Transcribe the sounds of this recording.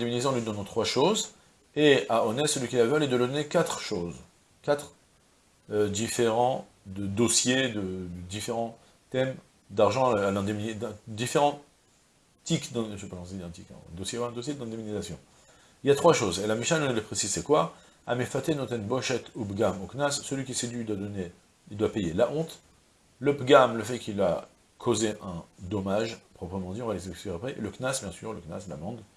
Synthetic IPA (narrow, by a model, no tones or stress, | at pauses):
ɛ̃d̪eminizeɑ̃lɥid̪ɔnɑ̃t̪χwaʃoz | eaɔnɛt̪səlɥikʲilavœlɛd̪ələd̪ɔnekat̪χʃoz | kat̪χ | ød̪ifeʁɑ̃ | d̪əd̪ɔsjed̪əd̪d̪ifeʁɑ̃ | t̪ɛm | d̪aʁʒɑ̃alɛ̃d̪emnd̪ɛ̃d̪ifeʁɑ̃ | t̪ikd̪ɛ̃ʒepakɔ̃siɛ̃t̪ikɛ̰̃d̪ɔsjewaɛ̃d̪osjed̪ɛ̃d̪eminizasjɔ̃ | iljat̪χwaʃozelamiʃnannəlepχesizsɛkwa | a̰mefat̪enɔ̃t̪ɛnbɔʃɛt̪obɡamoknasːəlɥikʲised̪ɥid̪wad̪ɔne | id̪wapejelaʔɔ̃t̪ | ləbɡamləfɛkʲilːa | kʰozeʔɛ̃d̪ɔmaʒpχɔpχəmɑ̃d̪iɔ̃valesɛksiʁapχɛʔeləknasbjɛ̃sy̰ʁləkna̰sla̰mɑ̃d̪